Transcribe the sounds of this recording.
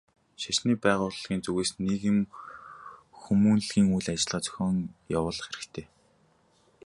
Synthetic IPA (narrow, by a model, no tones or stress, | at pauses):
ʃaʃniːpæːʁʊːɮʁiːnt͡suɣeːsneɣɘ̆m | xumunɮɣiːŋujɮat͡ɕɪ̆ɮʁaːt͡sœ̥xʲɔːŋjawʊːɮə̆χxeɾɘ̆kt̪ʰeː